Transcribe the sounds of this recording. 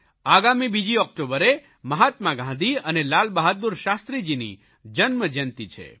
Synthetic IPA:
aɡamibid͡ʒiɔk̚ʈobəɾe | məɦat̪mãɡʱãnd̪iənelalbaɦad̪uɾʃast̪ɾid͡ʒinḭ | d͡ʒənməd͡ʒənt̪it͡ʃʰḛ

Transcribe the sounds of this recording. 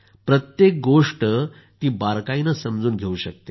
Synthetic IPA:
pɾət̪jek̚ɡoʂʈə | t̪iːbaɾkainəsəmd͡zuːnɡʱeuɕək̚t̪e

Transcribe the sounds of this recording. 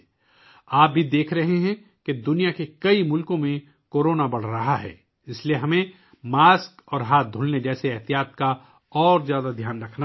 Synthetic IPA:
aːp̚bʱid̪eːkʰɾɐɦeɦɛ̃ | ked̪ʊnijakekɐimʊlkõmẽ | koːɾoːnabɐɽ̤ɾɐɦaɦɛ̰ː | ɪslieɦɐmẽ | maːskɔːɾɦaːt̪̚d̪ʱʊlned͡ʒɛːseɪɦt̪ijaːt̪ka | ɔːɾzjaːd̪ad̪ʱjaːnɾɐkʰna

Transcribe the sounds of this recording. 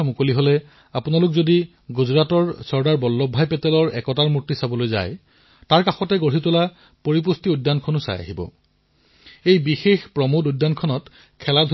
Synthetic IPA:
mukoliɦolɛ | apunalʊkzodi | ɡuzɹatɔɹsɔɹdaɹbɔlːɔbʱːajpɛtɛlɔɹɛkɔtaɹmutːisabɔlojza̰j | taɹkaxɔtɛɡoɹitʊla | poɹip̬ustiudːankʰɔnʊsa̰ja̰ɦibɔ̰ | ejbixexpɹɔmodudːankʰɔnɔt | kʰɛladʱ

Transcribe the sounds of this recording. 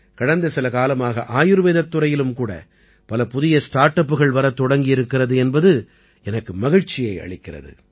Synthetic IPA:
kɐɽɐnd̪ɐsɪlɐkaːlɐmaːɣɐʔaːjɯɾɯʋeːðɐt̪ːɯɾɐjɪlɯmkuːɽɐ̰ | pɐlɐpʊðɪjɐsʈaːɾʈːɐpːɯɣɐɭʋɐɾɐt̪ːɔɽɐŋɡɪjɪɾɯkːɪrɐðɯɛnbɐðɯ | ʔɛnɐkːɯmɐɣɪɻt͡ʃːɪjɐɪɐ̰ɭɪkːɪrɐ̰ðɯ̰

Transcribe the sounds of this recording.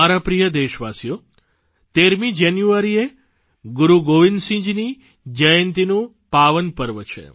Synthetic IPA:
aɾapɾijəd̪eʃʋasjo | t̪eɾmid͡ʒanjuaɾie | ɡuɾuɡoʋinsĩɲd͡ʒni | d͡ʒəjənt̪inũ | paʋənpəɾʋət͡ʃʰḛ

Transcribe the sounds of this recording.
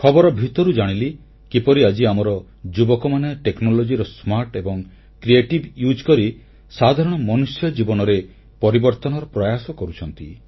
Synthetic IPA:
kʰɔbɔɾɔbʱit̪ɔɾud͡ʒaɽ̃ili | kipɔɾiad͡ʒiamɔɾɔ | d͡ʒubɔkɔmaneʈeknɔlod͡ʒiɾɔsmaɾʈebɔŋ | kɾieʈibjud͡ʒkɔɾi | sad̪ʱaɾɔɽ̃ɔmɔnusjɔd͡ʒibɔnɔɾe | pɔɾibɔɾt̪ɔnɔɾɔpɾɔjasɔkɔɾut͡ʃʰɔnt̪i

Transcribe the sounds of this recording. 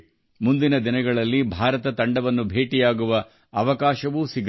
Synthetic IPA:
mund̪inɐd̪inɐɡɐɭɐlːibʱaːɾɐt̪ɐt̪ɐɳɖɐʋɐnːubʱeːʈijaːɡuʋɐː | ʋɐkaːʃɐʋuːsiɡ

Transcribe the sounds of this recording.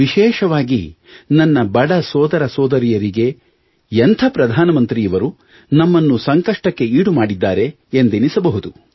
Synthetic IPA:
ʋiʃɛːʃɐʋaːɡḭ | nɐnːɐbɐɽɐsɔːd̪ɐɾɐsɔːd̪ɐɾijɐɾiɡe̞ | ent̪ʰɐpɾɐd̪ʱaːnɐmɐnt̪ɾiːɐʋɐɾu | nɐmːɐnːusɐŋkɐʂʈɐkːe̞iːɽumaːɽid̪ːaːɾe̞ː | nd̪enisɐbɐɦud̪u

